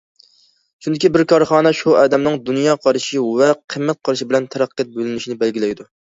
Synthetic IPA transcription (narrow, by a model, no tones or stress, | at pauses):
ʃund̪ɪkʲibɪɾkʰɑɾχɑːnɛʃuɑ̰ːd̪ɛmnɨŋd̪unjɑːqʰɑɾʃiwɛqʰəmːɛt̪̚qʰɑɾʃibɪlɛnt̪ʰɛɾæqʰːɛt̪̚bølɪnyʃinɪbɛlɡʲilɛjd̪u